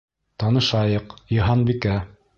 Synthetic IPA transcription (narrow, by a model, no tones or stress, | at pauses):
t̪ɑnɤ̆ʃɑjɤqjɤ̆ɦɑnbikæ